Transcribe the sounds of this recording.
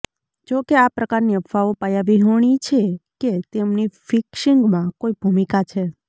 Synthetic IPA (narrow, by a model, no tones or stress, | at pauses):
d͡ʒokeapɾəkaɾniəbfaʋopajaʋiɦoɽ̃it͡ʃʰeket̪emnifikʃiŋɡmãkoibʱumikat͡ʃʰe